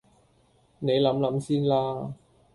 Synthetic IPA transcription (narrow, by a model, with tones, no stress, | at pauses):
ne˨˧jlɐ˨˥mlɐ˨˧˥msiː˥nlaː˧˥